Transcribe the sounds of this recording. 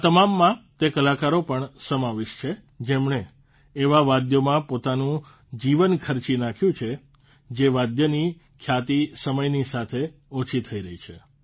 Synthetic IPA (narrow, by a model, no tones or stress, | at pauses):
at̪əmamːãt̪ekəlakaɾopəɳsəmaʋeʃt͡ʃʰe | d͡ʒemɳeː | ʋaʋad̪jomãpot̪anũ | d͡ʒiʋənkʰəɾt͡ʃinakʰjũt͡ʃʰe | d͡ʒeʋad̪jəni | kʰjat̪isəməjnisat̪ʰe | ot͡ʃʰit̪ʰəiɾəɦit͡ʃʰe